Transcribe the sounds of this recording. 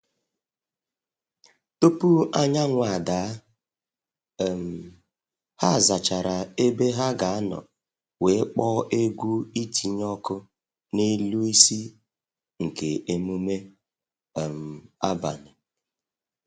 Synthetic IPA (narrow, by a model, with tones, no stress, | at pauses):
to˦pu˦a˦ɲa˦ŋʷa˨daː˨˦˨ | m̩˨ | ha˦˨za˨t͡ʃa˨ɾa˨e˦be˦ɦa˦ɡa˨a˦nɔ̰˨ | we˨˦k͡pɔ˦ʔe˦ɡʷu˦i˦tʰi˨ɲɔ˦kʊ˦ | ne˦lu˦i˦si˦ | ŋ̩˨ke˨e˦mu˦me˦˨ | m̩˨a˦ba̰˨nɪ˨